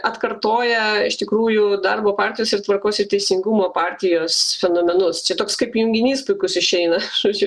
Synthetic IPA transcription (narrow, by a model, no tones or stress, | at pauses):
ɐt̪kɐrt̪oːjɛɪʃt̪ʲɪkɾuːjʊd̪ɐrboːpɑːrʲt̪ʲɪjoːsɪɾt̪ʋɐrkoːsɪɾt̪ʲɛɪsʲɪŋɡumoːpɑːɾʲt̪ʲɪjoːsfʲɛnoːmʲɛnʊst͡ʃʲɛt̪oːkskɐɪpjʊŋʲɡʲɪnʲiːspʊɪkʊsɪʃʲɛɪnɐusʲ